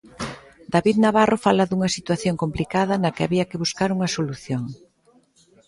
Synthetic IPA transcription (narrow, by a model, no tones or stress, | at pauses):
d̪aβiðnaβarʔofalɐðuŋɐsit̪waθjoŋkomplikaðɐnɐkɪaβiɐkɪβuskaɾuŋɐsoluθjoŋ